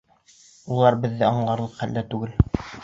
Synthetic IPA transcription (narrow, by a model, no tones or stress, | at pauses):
ulˠɑɾbɘ̆ðːɘɑɴlˠɑɾlˠɤqχæld̪æt̪ʉɡɘl